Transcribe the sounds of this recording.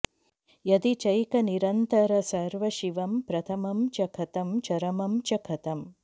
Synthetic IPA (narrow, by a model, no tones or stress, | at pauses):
jɐd̪it͡ʃɐjkɐniɾɐnt̪ɐɾɐsɐɾʋɐʃiʋɐmpɾɐt̪ʰɐmɐmt͡ʃɐkʰɐt̪ɐmt͡ʃɐɾɐmɐmt͡ʃɐkʰɐt̪ɐm